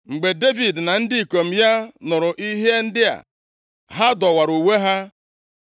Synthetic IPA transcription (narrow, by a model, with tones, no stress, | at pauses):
ŋ͡m̩˨ɡ͡be˨de˦vi˨dna˨n̩˦dɪ˦i˨ko˨m̩˨ja˦nʊ˨ɾʊ˨ʔi˦ɦe˦n̩˦dɪ˦a̰˨ | ɦa˦dɔ˨wa˨ɾu˨we˦ɦa˦